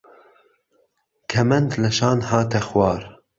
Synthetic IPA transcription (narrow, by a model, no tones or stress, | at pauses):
kʰɛmɛnd̪lɛʃɑːnhɑːt̪ʰɛxwɑːɾ